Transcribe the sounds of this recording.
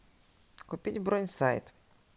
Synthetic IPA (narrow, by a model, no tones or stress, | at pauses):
kʊpʲidʲbɾonʲsajt̪